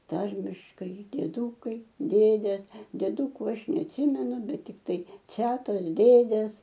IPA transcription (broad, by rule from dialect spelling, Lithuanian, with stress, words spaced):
ˈtɐrʲmʲɪʃkɐɪ dʲiɛˈduːkɐɪ ˈdʲeːdʲeːs dʲiɛˈduːkʊ ˈɐʃ nʲɛɐtʲˈsʲɪmʲɛnʊ ˈbʲɛt tʲɪkˈtɐɪ ˈt͡sʲæːtoːs ˈdʲeːdʲeːs